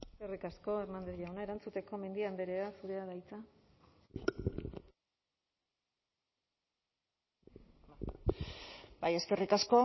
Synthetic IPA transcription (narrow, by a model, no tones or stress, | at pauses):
eskerikasko̞eɾmand̪ɾeʎawnae̞ɾant͡sut̪e̞ko̞me̞nd̪iand̪eɾeasuɾe̞aðajt͡sa | baje̞ske̞rikasko̞